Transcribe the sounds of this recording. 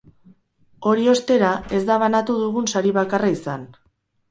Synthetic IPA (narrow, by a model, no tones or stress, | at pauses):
o̞ɾio̞st̪e̞ɾae̞zd̪aβ̞anat̪uðuɣunsaɾiβakaraisan